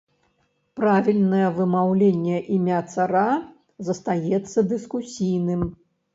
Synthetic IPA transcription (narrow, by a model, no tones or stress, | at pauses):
pɾavʲilʲnɐjɛvɨmawlʲenʲːɛʔimʲat̪saɾa | zɐst̪ajɛt̪sːɐd̪ɨskusʲijnɨm